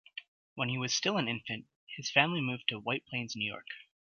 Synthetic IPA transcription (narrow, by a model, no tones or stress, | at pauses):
wə̃niwʌz̥stɪlˠə̃nɪ̃ɱfɨ̃nt̚ | hɨz̥fæ̃mlimʉv̥tʰɨwaɪt̚pʰl̥ẽɪ̃nznʉjɔ̰ɹk